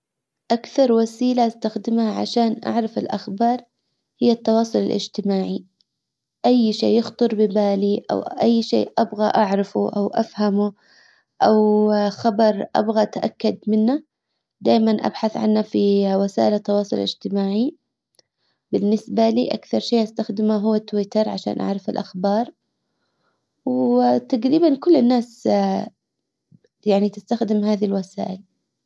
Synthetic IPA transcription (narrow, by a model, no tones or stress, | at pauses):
ʔakθɑɾˤwasiːlast̪axd̪ɪmhaʕa̰ʃaːnʔa̰ʕɾˤɑfɪlʔaxbɑːɾˤ | hɪjːat̪ːɑwɑːsˤʊlɪ̰lʔɪ̰d͡ʒt̪ɪmaːʕi | ʔajːʃeːjʊxt̪ˤɨɾbɪbaːliʔa̰wʔajːʃḛːʔabɣaʔaʕɾˤɑfuʔawʔafhamu | ʔawxɑbɑɾˤʔa̰bɣaʔt̪aʔakːad̪mɪnːa | d̪aːjmanʔa̰bħaθʕa̰nːafiwasa̰ːʔɪlat̪ːɑwɑːsˤʊlɪ̰d͡ʒt̪ɪmaːʕi | bɪnːɪsbalḭːʔa̰kθɑɾˤʃiːʔast̪axd̪ɪmaɦʊwːat̪ːwɪt̪ɑɾˤʕaʃa̰ːnʔa̰ʕɾˤɑfɪlʔaxbɑːɾˤ | wt̪aɡɾiːbankʊlːɪnːaːs | jaʕnit̪ɪst̪axd̪ɪmɦaːðilwasa̰ːʔɪl